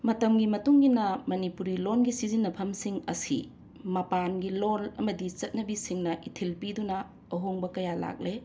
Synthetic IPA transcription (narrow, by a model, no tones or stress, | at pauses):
mɐtɐmɡimɐtuŋɡinɐmɐnipuɾilonɡisizinːɐpʰɐmsiŋɐsḭ | mɐpanɡilonɐmɐdit͡ʃɐt̚nɐbisiŋnɐʔitʰilpidunɐ | ɐɦoŋbɐkɐjala̰k̚le